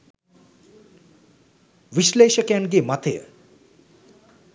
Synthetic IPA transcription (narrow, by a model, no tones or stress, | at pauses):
ʋiʃleːʃəkjanɡemat̪ʰeə̰